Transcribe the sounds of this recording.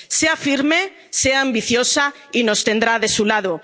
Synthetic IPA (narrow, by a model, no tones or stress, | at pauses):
seafiɾme | seaambiθjosa | inost̪end̪ɾaðesulað̞o